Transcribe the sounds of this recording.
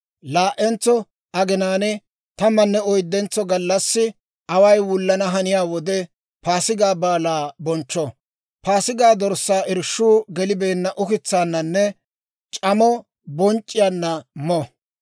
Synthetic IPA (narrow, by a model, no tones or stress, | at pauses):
laːʔɛnt͡sːɔ | ɐɡɪnaːnɛ | t̪ɐmɐnːɛɔjd̪ːɛnt͡sːɔɡɐlːɐsːɪ | ɐwɐjwʊlːɐnɐɦɐnɪjaːwɔd̪ɛ | paːsɪɡaːbaːlaːbɔnt͡ʃːɔ | paːsɪɡaːd̪ɔɾsːaːʔɪɾʃːuːɡɛlɪbeːnːɐʔʊkɪt͡sːaːnːɐnːɛ | t͡ʃʼɐmɔ | bɔnt͡ʃʼːɪjanːɐmɔ